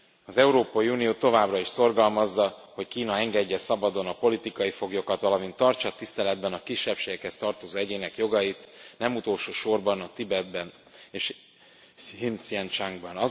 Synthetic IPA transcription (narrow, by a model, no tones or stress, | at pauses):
ɒzɛuɾoːpɒjiunijoːt̪o̞vaːbrɒiʃso̞rɡɒlmɒzːɒho̞ckiːnɒɛŋɡɛɟːɛsɒbɒd̪o̞nɒpo̞lit̪ikɒjifo̞ɡjo̞kɒt̪ʋɒlɒmint̪ːɒrt͡ʃɒt̪ist̪ɛlɛd̪bɛnɒkiʃːɛpʃeːɡɛkhɛst̪ɒrt̪o̞zoːɛɟeːnɛkjo̞ɡɒjit̪nɛmut̪olʃoːʃo̞rbɒnɒt̪ibɛd̪̚bɛn | eːʃ | hinsiɛnt͡ʃaŋɡbɒnɒ